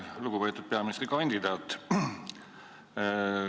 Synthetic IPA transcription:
luɡ̥upeːt̪ːˑud̪̚peɑmisrikɑnʲd̪̥id̪ɑːt̪ːˑ

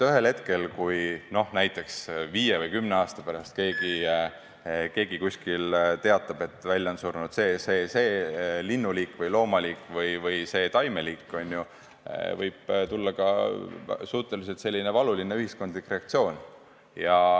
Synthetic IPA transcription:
yɦe̞lhe̞t̪ke̞lkujno̞hnæjt̪ːˑe̞ksviːjevɯjkymneɑːst̪ɑpæɾɑst̪̚ke̞ːɡi | ke̞ːɡ̥ikusʲkilt̪e̞ɑt̪ːˑɑb̥e̞t̪ːˑvælʲjɑnsurnud̪̥se̞ːse̞ːse̞ːlinːuliːkːˑvɯjlo̞ːmɑliːkːˑvɯjvɯjse̞ːt̪ɑjme̞liːkːˑo̞nʲːjṵ | vɤjb̥t̪ulːɑkɑ̰ | suːt̪ːelis̬et̪se̞lʲːinevɑlulineyhisko̞nd̪likːˑre̞ɑk̚t̪sio̞ːn | jɑ

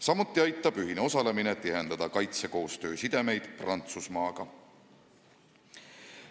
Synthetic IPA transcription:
sɑmut̪ːˑiɑjt̪ːˑɑb̥yɦineo̞sɑle̞minet̪ːˑiɦe̞nd̪̥ɑd̪ɑkɑjt̪se̞ko̞ːst̪ø̞ːsid̪̥e̞me̞jd̪̥prɑnt̪susmɑːɡ̥ɑ

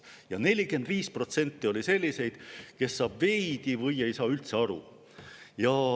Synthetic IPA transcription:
jɑne̞lʲike̞nd̪̥viːspro̞t̪se̞nʲt̪ːio̞lʲise̞lʲːise̞jd̪̥ke̞sːɑːb̥ve̞jd̪̥ivɤje̞jsɑːylt̪se̞ɑɾṵ | jɑ

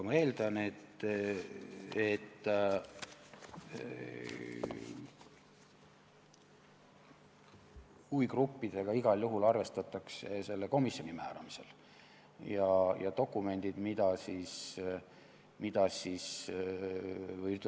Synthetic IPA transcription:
ɑmɑe̞ːld̪̥ɑne̞t̪ː | et̪ː | ujkrupːid̪̥e̞ɡ̥ɑiɡ̥ɑljuɦulɑrve̞st̪ɑt̪ːˑɑksese̞lːeko̞misjo̞nʲimæːɾɑmise̞l | jɑjɑ̰t̪o̞kːˑume̞nʲd̪̥id̪̥mid̪̥ɑsiːs | mid̪̥ɑsiːs | vɤj̪

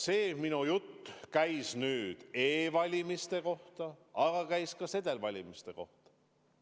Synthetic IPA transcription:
se̞ːminujut̪ːkæjsnyːd̪̥e̞ːvɑlʲimist̪e̞ko̞ht̪ɑɑɡɑkæjskɑse̞d̪̥elvɑlʲimist̪e̞ko̞ht̪ɑ̥

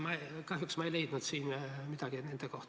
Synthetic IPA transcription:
mɑekɑɦjuksmɑejle̞jd̪̥nud̪siːnmid̪̥ɑɡ̥ine̞nd̪̥ekoht̪

